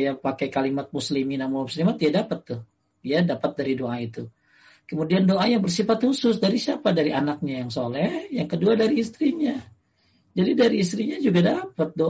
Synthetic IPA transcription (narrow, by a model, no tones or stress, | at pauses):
japakajkalimat̪̚musliminamamuslimat̪idadapət̪ːʊh | jadapət̪̚daɾidoʔait̪u | kəmudiandoʔajaŋbərs̬ifat̪husʊsdaɾisiapadaɾiʔanak̚ɲajaŋsolɛhjaŋkəduadaɾiːst̪ɾiɲa | d͡ʒadidaɾiːs̬t̪ɾiɲad͡ʒuɡadapət̪̚do